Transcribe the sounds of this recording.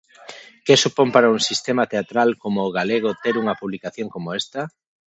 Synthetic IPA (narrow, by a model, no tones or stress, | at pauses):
kesupompaɾauŋsist̪emat̪eat̪ɾalkomoːɣaleɣ̞ot̪eɾuŋɐpuβlikaθjoŋkomoest̪ɐ